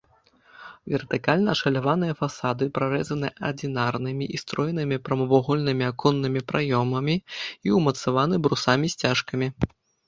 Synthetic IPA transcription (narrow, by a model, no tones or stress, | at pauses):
vʲɛrt̪ɨkalʲnɐɐʂɐlʲavan̪ɨjɐfasad̪ɨpɾaɾɛzɐnɨʔɐrd̪ʲinarnɨmʲiʔist̪ɾɔjnɨmʲipɾɐmɐvɔɣɔlʲnɨmʲiakɔnːɨmʲipɾajɔmɐmʲiiwmɐt̪savanɨbɾusamʲisʲt͡sʲaʂkɐmʲi